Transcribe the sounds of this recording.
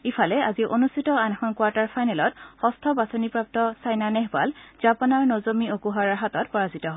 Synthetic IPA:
ifʰalɛaziʔonustʰitɔanɛxɔnkwaɹtaɹpʰajnɛlɔthɔstʰɔbasonipɹap̚tɔsajnanɛɦba̰lz̥apɔnaɹnozomiokuɦaɹaɦatɔtpɔɹazitɔɦɔ

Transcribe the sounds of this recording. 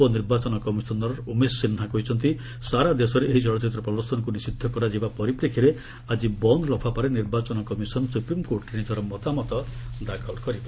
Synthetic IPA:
ɔniɾbat͡ʃɔnɔkɔmisɔnɔɾɔɾumessinɦakɔɦit͡ʃʰɔnt̪i | saɾad̪esɔɾeʔeɦid͡ʒɔɭɔt͡ʃit̪ɾɔpɾɔd̪ɔsʰɔnɔkunisid̪ʱːɔkɔɾad͡ʒibapɔɾipɾekʰiɾe | ad͡ʒibɔnd̪ʱɔlɔpʰapaɾeniɾbat͡ʃɔnɔkɔmisɔnɔsupɾimkoɾʈenid͡ʒɔɾɔmɔt̪amɔt̪ɔd̪akʰɔlkɔɾipae

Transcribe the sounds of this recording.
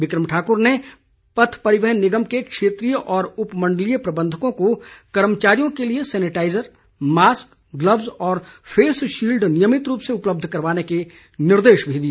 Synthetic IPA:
ʋɪkɾəmʈʰaːkʊɾne | pɐt̪ʰpɐɾɪʋɛɦənːɪɡəmkekʃeːt̪ɾijəʔɔːɾʊpmə̃ɳɖəlijəpɾɐbə̃nd̪ʱəkõkokɐɾmət͡ʃaːɾijõkeliesɛːnɪʈaːɪzəɾ | maːsk | ɡlɐbzɔːɾfʰeːsʃiːlɖnijəmɪt̪ɾuːpseʊpləb̚d̪ʱkɐɾʋaːneke | nɪɾd̪eːʃbʱiːd̪ieː

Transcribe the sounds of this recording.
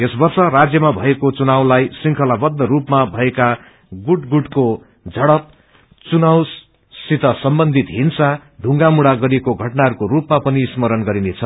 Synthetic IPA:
esbʌrsʌrad͡zjʌmabʱʌekot͡sunawlajsiŋkʰʌlabʌd̪ːʌɾupmabʱʌeka | ɡuʈɡuʈko | d͡zʱʌɽʌp̚ | t͡sunaws | sit̪ʌsʌmbʌnd̪ʱit̪ɦinsaɖ̪ʱũŋɡamuɽaɡʌɾiekoɡʱʌʈnaɦʌɾukoɾupmapʌnismʌɾʌnɡʌɾinet͡sʰʌ

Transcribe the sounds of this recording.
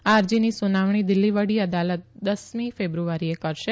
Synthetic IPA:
aɾd͡ʒinisunaʋɳ̃id̪ɪlːiʋəɽiəd̪alət̪̚d̪əsmĩfebɾuʋaɾiekəɾʃe

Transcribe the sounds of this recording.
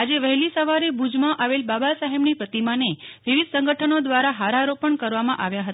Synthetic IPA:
ad͡ʒeʋəɦlisəʋaɾebud͡ʒmãʔaʋelbabasəɦemnipɾət̪imaneʋiʋid̪sə̃ŋɡəʈʰənod̪ʋaɾaɦaɾaɾopəɳkəɾʋamãʔaʋjaɦət̪a

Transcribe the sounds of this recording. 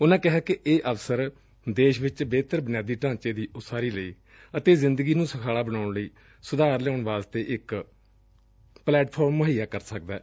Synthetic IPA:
ʊnãːkɪɦaːkɪʔeːʔəʋsəɾ | d̪eːʃʋɪt͡ʃbeːt̪əɾbənɪjaːd̪iːʈãːt͡ʃeːd̪iːʔʊsaːɾiːləiː | ət̪eːzɪnd̪əɡiːnũːsəkʰaːlaːbəñaːʊɳləiː | sʊd̪aːɾlɛoʊɳʋaːst̪eːʔɪk | plɛːʈpʰoːɾmːəɦiːjaːkəɾsək̚d̪ɛː

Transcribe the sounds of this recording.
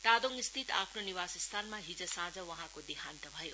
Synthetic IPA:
t̪ad̪oŋist̪ʰit̪a̰pʰnoniwasʌst̪ʰanmaɦid͡zʌsãd͡zʌwʌɦãkod̪iɦʰant̪ʌbʱʌjo

